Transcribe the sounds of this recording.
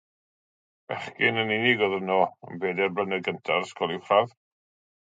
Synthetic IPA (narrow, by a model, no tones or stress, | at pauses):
vɛ̰χkɪnənɪnɪɡɔðənɔə̰nbeːdɛrblənəɡəntʰarskɔlˠɪwχrað